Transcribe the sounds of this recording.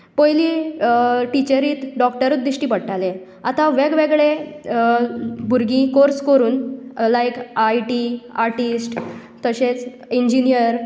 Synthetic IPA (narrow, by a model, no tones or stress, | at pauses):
pɔjlĩ | ʈit͡ɕəɾiːt̪ɖɔkʈəɾut̪̚d̪iʂʈiːpəɽʈale | at̪ãʋeɡʋeɡɭe | bʱuɾɡĩkoɾskəɾuːnlajkajʈiaɾʈisʈ | t̪əɕet͡s | iɲd͡ʑinijəɾ